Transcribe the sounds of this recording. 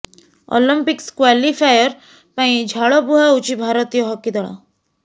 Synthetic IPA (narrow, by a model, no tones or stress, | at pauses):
ɔ̰ləmpikskwalifajəɾ | paĩd͡ʒʱaɭɔbuɦaut͡ʃibʱaɾət̪ijɔɦɔkːid̪ɔɭa̰